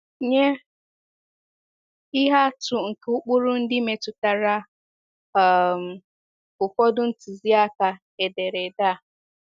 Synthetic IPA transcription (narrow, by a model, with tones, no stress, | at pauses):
ɲe˦ | ɪ˦ɦa˦tʊ˨ŋ̩˨ke˨ʊ˦k͡pʊ˦ɾʊ˦n̩˦dɪ˦me˨tʊ˨ta˨ɾa˦˨ | m̩˨ | ʊ˨kɔ˦dʊ˦n̩˦ti˨zi˦a˦ka˨ | e˨de˨ɾe˨da˦˨